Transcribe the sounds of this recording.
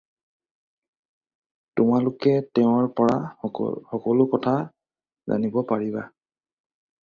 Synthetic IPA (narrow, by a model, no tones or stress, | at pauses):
tʊmalʊkɛtɛʊ̃aɹpɔɹaxɔkɔlʊkɔtʰa | za̰nibɔpaɹiba